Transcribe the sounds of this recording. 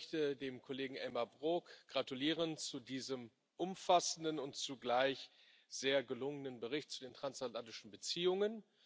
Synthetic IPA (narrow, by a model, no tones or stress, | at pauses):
çtədeːmkʰoleːɡŋ̩ʔɛlmabʁokɡ̥ʁatuliːʁ̞ənt͡sudiːzəm | ʔʊmfasn̩dənʊntt͡suɡlaɪç | z̥eːɐɡəlʊŋənənbəʁ̞ɪçt̚t͡sudeːntʁ̥ansatlantɪʃn̩bət͡siːʊŋən